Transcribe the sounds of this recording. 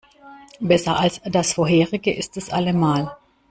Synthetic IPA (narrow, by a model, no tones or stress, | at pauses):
bɛsɐʔalsd̥asfoɐɦeːʁɪɡəʔɪstɛsʔa̰ləmaːl